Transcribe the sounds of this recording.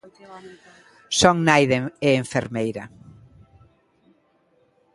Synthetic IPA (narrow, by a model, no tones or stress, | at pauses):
soŋnajðeeːɱfeɾmejɾɐ